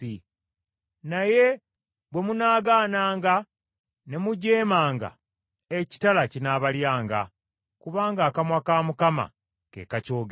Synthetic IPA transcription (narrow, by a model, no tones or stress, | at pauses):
i | naje̞ | bwe̞munaːɡaːnaːŋɡa | ne̞muɟe̞ːmaːŋɡa̰ | eci̥talacinaːβaljaːŋɡa̰ | kuβaːŋɡaːkamwakaːmukama̰ | kḛːkaco̞ːɡ